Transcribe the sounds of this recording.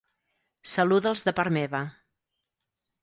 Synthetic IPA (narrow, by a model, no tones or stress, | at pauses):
səluðəlˠzðəpaɾmeβə